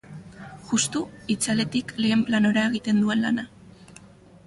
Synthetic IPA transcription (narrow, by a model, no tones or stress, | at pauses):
ʝust̪uit͡sale̞t̪ikle̞ːmplano̞ɾae̞ɣ̞it̪e̞nd̪ue̞nla̰na